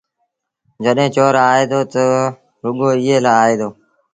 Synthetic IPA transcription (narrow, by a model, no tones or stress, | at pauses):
d͡ʒəɗɦẽːt͡ʃoːɾaːeːd̪oːt̪ə | ɦʊɠoːɪːeːlaːaːeːd̪oː